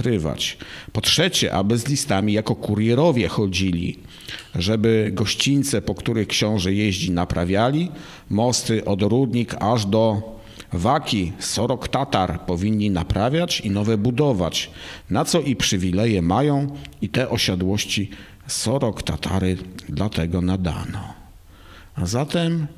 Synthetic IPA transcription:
ɾɘva̰t͡ɕpɔtʂɛt͡ɕɛ̰ʔa̰bɘzlʲist̪amʲijakɔkuɾjɛɾɔvʲjɛxɔd͡ʑilʲḭ | ʐɛbɘɡɔɕt͡ɕint̪sɛpɔkt̪uɾɘxkɕɔ̃w̃ʐɛjeʑlinapɾʔavʲjalʲi | mɔst̪ɘʔɔd̪ɾud̪ɲikaʐd̪ɔ | vakʲisɔɾɔkt̪at̪aɾpɔvʲiɲːinapɾʔavʲjat͡ɕinɔvɛbud̪ɔva̰t͡ɕnat̪sɔʔipʂɘvʲilɛjɛmajɔ̃w̃it̪ɛʔɔɕad̪wɔɕt͡ɕi | sɔɾɔkt̪a̰t̪ʰa̰ɾɘd̪lat̪ɛɡɔnad̪a̰nɔ | azat̪ɛm

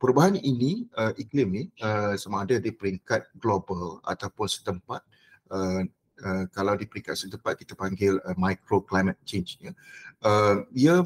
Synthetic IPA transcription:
pəɾubaɦaniniəʔiklimniəsamãːdadipəɾiŋkat̪̚ɡlobəla̰t̪awpʊnsə̥t̪əmpat̪̚ | ə | əkalawdipəɾiŋkat̪̚sət̪əmpat̪̚ki̥t̪apaŋɡɪləmajkɾoklajmət̪̚t͡ʃend͡ʒɲəʔəmiə

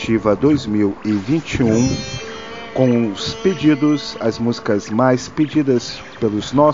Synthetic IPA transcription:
t͡ʃivɐd̪ojzmiwɪvĩnt͡ʃiũ | kõw̃ʊsped͡ʒid̪ʊsɐzmuzikɐzmajsped͡ʒid̪ɐs | pelʊznɔ

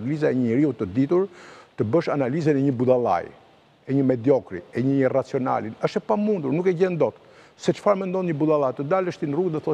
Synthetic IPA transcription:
lizaɛɲəɾiut̪əd̪it̪uɾt̪əbəʃanalizɛnɛɲəbud̪ala̰j | ɛɲəmɛd̪jɔkɾḭɛɲərat͡siɔna̰linəʃt̪ɛpamund̪uɾnukɛɟɛnd̪ɔt̪ | sɛt͡ʃə̥faɾmɛnd̪ɔnɲəbud̪alˠat̪əd̪aləʃt̪inruɡðɛθɔ

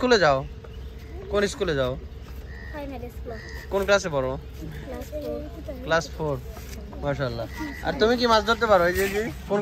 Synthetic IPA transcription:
kuled͡ʑao | koniskuled͡ʑao | skonklas̬ebɔɾo | klasfʰoɾ | maʃalːaa̰ɾt̪umikimasd̪ʱoɾt̪epaɾejd͡ʑed͡ʑikon

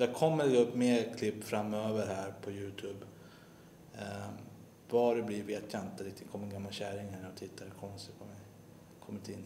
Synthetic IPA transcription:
d̪akʰɔmːəɾɛɡɵpːmeːɾkʰlɪpːfɾamːøːvəɾɦæːɾpʰɔjʉːt̪ʰʉːb | vɑɾɛblɪɾveːt̪ʰjaɪnt̪əɾɪk̚t̪ɪkʰɔmːəɾɡamːalɕæɾɪŋhæːnɔt̪ʰɪt̪ʰːad̪ɛkʰɔnːsəpʰɔmɛj | kʰɔmːɪt̪ʰɪnː

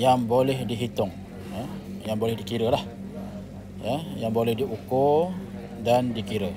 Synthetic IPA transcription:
jaŋbolɛhdiɦit̪ʊŋ | jəjaŋbolɛhdikiɾəlah | jəjaŋbolɛhdiʔuko | dandikiɾə

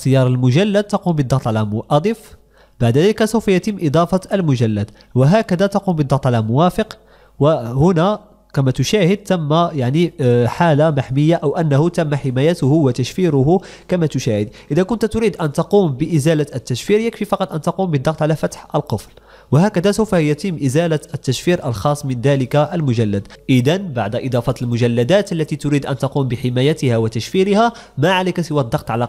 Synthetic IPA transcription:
t̪əjɑɾˤəlmʊʒælːəd̪̚t̪ɑqumbəd̪ˤːɑɣt̪ˤʕalæmʊʔɑd̪ˤif | baʕd̪d̪æləkæsəwfæjæt̪əmːʔɪd̪ˤɑfɑəlmʊʒælːəd̪ | wəɦækæd̪æt̪ɑqumbəd̪ˤːɑɣt̪ˤʕalæmʊwæfəq | wəhʊnæ | kæmæt̪ʊʃæhəd̪̚t̪æmːæjaʕniħalamaħməjːaʔæwʔænːæhʊt̪æmːaħɪmæjæt̪ʊhʊwət̪æʃfiɾʊɦʊ | kæmæt̪ʊʃæhəd̪ʔəd̪ækʊnt̪t̪ʊɾiːd̪ʔænt̪ɑquːmbəʔɪzælaət̪ːæʃfiɾjəkfifɑqɑt̪ˤʔænt̪ɑqumbəd̪ːɑqt̪ˤʕalæfæt̪ħʔəlqəfl | wəhækæd̪æsawfæhjæt̪imːʔəzælaət̪ːæʃfiɾʔəlxɑsˤːmənd̪æləkaʔəlmʊʒælːəd̪ʔəd̪ænbaʕd̪ʔɨd̪ˤɑfɑt̪əlmʊʒælːæd̪æt̪ʔəlːæt̪it̪ʊɾid̪ʔænt̪ɑquːmbəħɪmæjæt̪əhæwət̪æʃfiɾəhæ | maʕalæjkæsəwæd̪ˤːɑqt̪ˤʕalæ

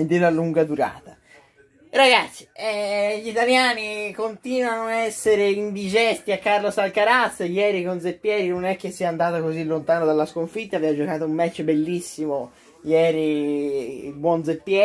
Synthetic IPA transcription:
d̪elaluŋɡad̪uɾa̰ːt̪a | ɾaɡat̪sːi̥ɛʎit̪aljaːnikont̪iːnwanoaɛsːeɾeind̪id͡ʒɛst̪iakːarlosalkaɾat̪sːeʎɛːɾikond̪zepːjɛːɾinonɛk̟ːesːiand̪aːt̪akozilːont̪aːnod̪alːaskoɱfit̪ːaːvɛvad͡ʒokaːt̪oumːɛt͡ʃːbelːisːimo | jɛːɾi | bwɔnd̪zepːjɛ

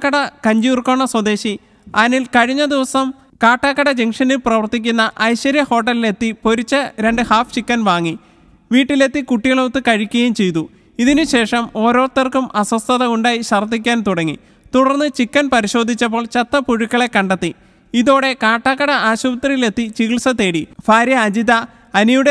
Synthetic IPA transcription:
kːɐɽɐkɐɲd͡ʑuːrkoːɳːɐswɐd̪e̞ːɕi | ɐːɐnilkɐɻiɲːɐd̪iʋɐsɐm | kaːʈːaːkːɐɽɐd͡ʑeŋʂɐnilprɐʋɐrt̪ːikʲːunːɐʔɐjɕɐɾjɐho̞ːʈ̬ːɐlile̞t̪ːipo̞ɾit͡ɕːɐɾe̞ɳɖɨhaːft͡ɕikːɐnʋaːŋːi | ʋiːʈːile̞t̪ːikuʈːiɣɐɭot̪ːɨkɐɻikʲːuɣɐjumt͡ɕe̞jt̪u | iðinɨɕe̞ːʂɐmo̞ːɾo̞ːt̪ːɐrkumɐsɐst̪ʰɐðɐuɳɖaːjiɕɐrd̪ikʲːaːnt̪uɽɐŋːḭ | t̪uɽɐrnːɨt͡ɕikːɐnpɐɾiɕo̞ːd̪ʱːit͡ɕːɐp̬ːo̞ːɭt͡ɕɐt̪ːɐpuɻukːɐɭekːɐɳɖɐt̪ːi | iðo̞ːɽe̞kaːʈːaːkːɐɽɐʔaːɕubɐt̪rijile̞t̪ːit͡ɕiɣiɭsɐt̪ːe̞ːɽifaːɾjɐːd͡ʑiðɐ | ɐnijuɽe

